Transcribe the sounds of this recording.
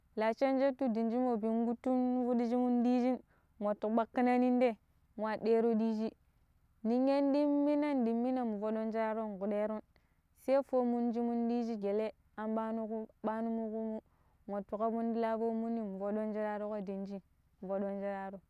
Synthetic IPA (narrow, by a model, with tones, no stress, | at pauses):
la˨t͡ʃe˦nd͡ʒe˦tu˦di˨nd͡ʒi˦mo˨bi˨nɡu˦tːu˦nvu˦di˦d͡ʒi˦mu˦ndi˦d͡ʒi˦n | ŋʷo˨tːu˨ɓa˦kːi˦na˦ni˦n˦de˦ | ŋʷa˨de˦ɾo˦di˦d͡ʒi˦ | ni˨ŋe˦ndi˦mːi˦na˦ndi˨mːi˦na˨mu˨vo˨ɗo˦nd͡ʒe˦ɾa˦ɾo˦˨ŋ˨ɡu˨de˦ɾo˦n | se˦fo˦mu˦nd͡ʒi˦mu˦ndi˦d͡ʒi˦ɡe˨le˦ | a˨mba˦nu˦ku˦ɓa˦nu˦mu˦ku˦mu˦ | ŋʷo˨tu˨ka˦bu˦ndi˦la˦fo˦mu˦nːi˦mu˨vo˨do˦nd͡ʒe˦ɾa˦ɾo˦ko˦di˨nd͡ʒi˦ | mu˨vo˨ɗo˦nd͡ʒe˦ɾa˦ɾo˦